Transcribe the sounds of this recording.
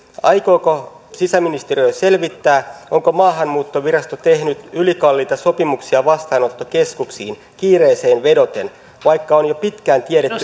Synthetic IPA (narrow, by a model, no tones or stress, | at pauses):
ɑjkoːko̞ | sisæminist̪erijøjse̞lʋit̪ːæːʔo̞ŋko̞mɑːɦɑmmuːt̪ːoʋiɾɑst̪ot̪e̞hnyt̪ylikɑlːiːt̪ɑso̞pimuksiɑʋɑst̪ɑːnot̪ːoke̞skuksḭːn | kiːreːse̞ːnʋe̞do̞t̪e̞n | ʋɑjkːɑonjopit̪kæːnt̪ieɾet̪ːy